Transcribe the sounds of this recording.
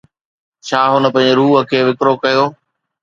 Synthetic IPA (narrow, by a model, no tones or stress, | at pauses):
t͡ɕʰaːɦʊnə̆pɐ̃ɦɪ̃ɲd͡ʑɾuːɦə̆kʰeːʋɪkɾokɐjoː